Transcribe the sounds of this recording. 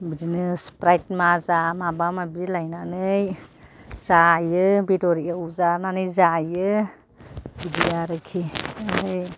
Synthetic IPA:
biznespɾajtmazamabamabilajnanɯj | z̥ajɯbitɔɾiauzananɯjzajɯ | bidiaɾɯkʰianɯj

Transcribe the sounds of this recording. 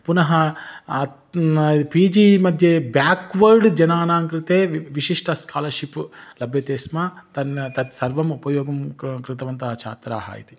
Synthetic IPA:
punɐɦɐ | piːd͡ʒiːmɐd̪ʱjɐbjaːkʋɐɾɖd͡ʒɐnaːnaːŋkɾit̪eːʋiʃiʂʈɐskʰaːlɐɾʂiplɐbʱjɐt̪eːsmat̪ɐnt̪ɐt̪sɐɾʋɐmupɐjɔːɡɐmkɾɪt̪ɐʋɐnt̪ɐt͡ʃʰa̰ːt̪ɾa̰ːɦɐ̰ːjḭt̪i̥

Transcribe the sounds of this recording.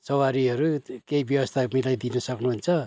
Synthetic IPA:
sʌwaɾiɦʌɾukeibjʌwʌst̪ʰamilajd̪inʌsʌknuɦunt͡sʰʌ

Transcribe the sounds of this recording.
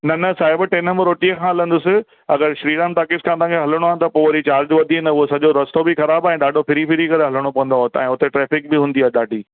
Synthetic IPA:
nɐnɐsaːɪbʈeːnəmɾoːʈiəkʰãɦɐlə̃nd̪ʊsɪ | ɐɡəɾʃɾiːɖamʈ̪aːkɪskʰãːt̪̬ãːkʰeɦɐləɽ̃oaːɪnt̪ɐpoːʋɐɾit͡ɕaːɾd͡ʑʋɐd̪ʱiɦɪnʊɦosɐʄoɾɐst̪obixɐɾaːbaːĩːɗaːɖʱopʰɪɾipɪɾikɐɾeɦɐləɽ̃opɐʋə̃nd̪aɦot̪ɛ̃ːʊt̪eʈɾeːfɪk̚bɪɦũːn̆d̪iaːɦeɗaːɖʱiː

